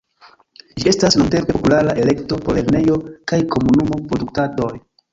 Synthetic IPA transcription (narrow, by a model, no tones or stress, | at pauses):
d͡ʒie̞stasnunte̞mpeopulaɾaʔe̞le̞kto̞po̞ɾeɾne̞jo̞kajko̞munumo̞pɾo̞duktato̞j